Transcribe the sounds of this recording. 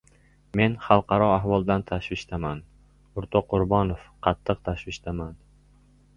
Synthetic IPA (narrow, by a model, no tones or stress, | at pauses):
me̞nχɑlˠqʰɑɾɒaɦvɒlˠd̪ant̪ʰaʃvɪʃt̪aman | ʊɾt̪ʰɒqʰʊɾbɒnofqʰɑt̪ʰːɨq̚t̪ʰaʃvɪʃt̪ʰaman